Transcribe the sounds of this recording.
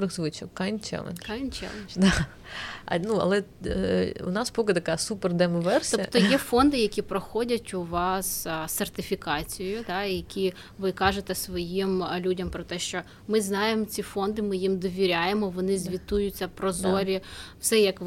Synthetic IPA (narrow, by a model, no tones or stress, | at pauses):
ɾɪxzʋɪt͡ʃɐkkajnt͡ʃɛ̰lˠḛnʲkɑjnt͡ʃɛ̰lˠnd̪ɑ̰ | nuɐ̰lˠɛ | ʊ̰nɑspɔkɪt̪ɐkɑsupɛrd̪ɛmɔʋɛrsʲt̪ɔipt̪ɔjɛfɔnd̪ɪjɐkʲipɾɔxɔdʲɐtʲʊʋɑsːert̪ɪfʲikɑt͡sʲijɔjʊd̪ɑjɐkʲi | ʋɪkɑʒet̪ɛsʋɔjimlʲudʲɐmpɾɔt̪ɛʃt͡ʃɔ | mɪznɑjemɔt͡sʲifɔnd̪ɪmɪjimd̪ɔʋʲiɾʲajemɔʋɔnɪzʲʋʲit̪ujʊt͡sʲːɐpɾɔzɔɾʲiwsɛjɐk